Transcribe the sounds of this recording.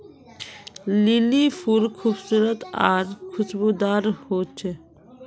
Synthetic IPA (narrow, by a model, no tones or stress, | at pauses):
lilifʰuɾkʰuːbsuːɾət̪aːɾkʰʊsbuːd̪aːɾhoːt͡ʃʰe